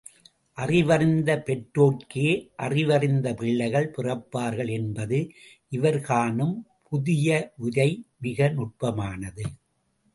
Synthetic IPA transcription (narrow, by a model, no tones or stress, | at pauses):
ʔɐrɪʋɐɾɪnd̪ɐpɛʈɾoːʈkeːʔɐrɪʋɐrɪnd̪ɐpɪɭːɐɪɣɐɭpɪrɐpːaːɾɣɐɭɛnbɐðɯʔɪʋɐɾɣaːnɯmpʰʊðɪjɐʔʊðɐɪmɪɣɐnʊʈ̚pɐmaːnɐðɯ